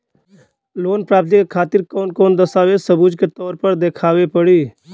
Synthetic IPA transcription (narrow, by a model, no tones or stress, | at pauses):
loːnpɾaːb̚t̪ikekʰaːt̪ɪɾkoːnkoːnd̪əsaːʋesəbuːd͡ʒket̪ɔːɾpəɾd̪eːkʰaːʋepəɽiː